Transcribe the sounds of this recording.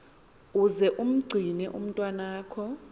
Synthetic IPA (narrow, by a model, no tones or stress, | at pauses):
uzɛʔum̩ɡ͡ǀʱinɛʔṵm̩tʼwanaːkʰɔ